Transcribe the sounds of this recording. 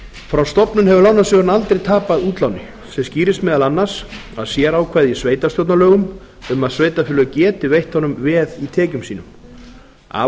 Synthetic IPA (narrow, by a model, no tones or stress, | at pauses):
fɾawst̪ɔpnʏnɦɛvʏlawnasʏɾnalt̪ɾejt̪ʰaːpaðuːt̪lawnɪ | sɛmsciːɾɪst̪mɛːðalanːaɾ̥saðsjɛːɾawkʰvɛːðisveːjt̪ast̪jɔwt̪nalœːɣʏm | ʏmaðsvejt̪afʏlʏɣʏcɛːt̪ɪvejht̪hɔnʏmvɛðit̪ʰɛːcʏmsiːnʏm | a̰ː